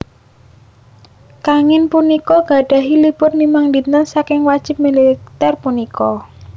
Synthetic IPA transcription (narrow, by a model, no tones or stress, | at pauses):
kaŋɪnpunikɔɡ̥a̤ɖ̥a̤ɦilib̥ʊt̪̚nimaŋdinənsakɪŋwad̥ʒ̥ɪ̤p̚milit̪ɛrpunikɔ